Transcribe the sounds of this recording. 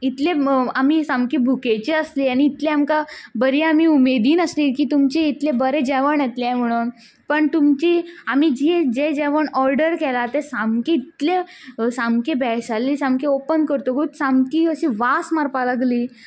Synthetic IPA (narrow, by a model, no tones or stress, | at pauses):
it̪lẽamisãmkibʱuket͡ɕiəsliːañiːt̪lẽamkabəɾiamiumed̪iːnəsliːkiːt̪umt͡ɕiːt̪lebəɾed͡ʑɛʋəɳjɛt̪lɛ̃m̤əɽ̃uːn | pəɳt̪umt͡ɕiamid͡ʑid͡ʑed͡ʑɛʋəɳɔɾɖəɾkɛlat̪esamkeit̪lesamkebʱɛsalːiːsãmkeopənkəɾt̪oɡut̪sãmkiːəɕiʋasmaɾpalaɡliː